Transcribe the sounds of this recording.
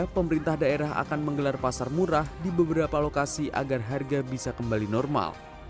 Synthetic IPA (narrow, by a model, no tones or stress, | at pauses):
pəməɾint̪ahdaeɾaɦa̰kanməŋɡəlarpasarmuɾahdibəbəɾapalokasiʔa̰ɡarɦarɡabisakəmbalinɔrma̰l